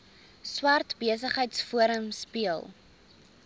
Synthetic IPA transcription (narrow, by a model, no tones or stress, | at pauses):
swɐrtbiəs̬əχɦəjtsfuəɾəmspiəlˠ